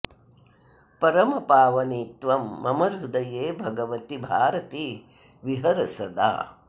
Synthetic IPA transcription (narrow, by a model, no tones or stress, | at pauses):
pɐɾɐmɐpaːʋɐniːt̪ʋɐmːɐmɐɾud̪ɐjeːbʱɐɡɐʋɐt̪ibʱaːɾɐt̪i | ʋiɦɐɾɐsɐd̪a̰ː